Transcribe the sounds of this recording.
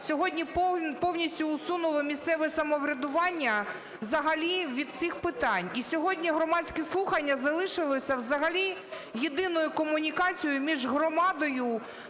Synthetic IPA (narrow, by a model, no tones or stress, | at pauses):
sʲɔɦɔdʲnʲippɔwnʲisʲtʲʊːsunʊlˠɔmʲist̪sɛʋɛsɐmɔʋɾʲɐd̪ʊʋɑnʲːɐ | ʋzɐɦɐlʲiʋʲid̪̚t͡ssixpɪt̪ɑnʲisʲɔɦɔdʲnʲiɦɾɔmɑt͡sʲkʲɛslˠuxɐnʲːɐzɐlˠɪʃɪlˠɔsʲɐwzɐɦɐlʲi | jed̪ɪnɔjʊkɔmʊnʲikɑt͡sʲijʊmʲiʒɦrɔmɑd̪ɔjʊ